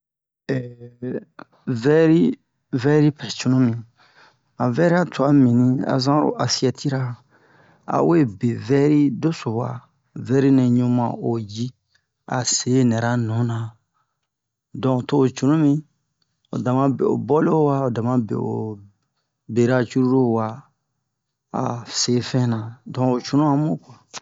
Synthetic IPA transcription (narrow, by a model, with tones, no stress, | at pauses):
ɛ˨ | vɛ˦ɾi˦ | vɛ˦ɾi˦pɛ˨t͡ʃu˨nũ˦mĩ˨ | a˨vɛ˦ɾi˦a˦tu˨a˦mĩ˨nĩ˦a̰˨zã˦ɾo̰˨ʔa˨si˦ɛ˨tʰi˦ɾa˦ | a̰˨we˦be˨vɛ˦ɾi˦do˦so˨wa̰˨ | vɛ˦ɾi˦nẽ˨ɲũ˦mã̰˨o˨ji˦ | a̰˨se˨˦nɛ˨ɾa˦nũ˨˦nã˨ | dɔ̃˨toː˦˨t͡ʃu˨ũ˦mĩ˦ | o̰˨dã˨mã˦bḛ˨o̰˨bɔ˦lo˦wa˦o˨dã˨mã˦bḛ˨o̰˨ | be˨ɾa˦t͡ʃu˦ɾu˦ɾo˦wa˨ | a̰˨se˨fɛ̃˦nã˨dɔ̃˨o˨t͡ʃu˨nũ˦ã˨mo˦kwã˨